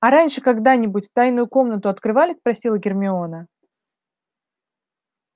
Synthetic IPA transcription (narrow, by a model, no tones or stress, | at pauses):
ɐɾanʲʂɨkɐɡd̪anʲɪbʊtʲft̪ajnʊjʊko̞mn̪ət̪ʊɐt̪kɾɨvalʲɪspɾɐsʲilˠəɡʲɪrmʲɪo̞nə